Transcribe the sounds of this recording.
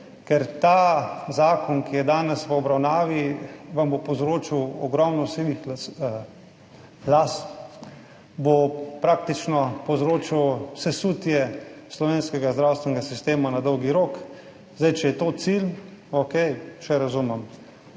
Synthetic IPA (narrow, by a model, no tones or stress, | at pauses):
kɛɾt̪azaːkɔnkijɛd̪aːnɛsʋəɔbɾawnaːʋiʋambopɔwzɾoːt͡ʃiwɔ̰ɡɾɔmnɔseːʋix | last̪ | bopɾaːk̚t̪it͡ʃnɔpɔwzɾoːt͡ʃiwsɛsuːt̪jɛslɔʋeːnskɛɡazd̪ɾawst̪ʋɛnɛɡasist̪eːmanad̪ɔwɡiɾoːk | zd̪ajt͡ʃɛjɛt̪oːt̪sil | okɛjʃɛɾazumɛm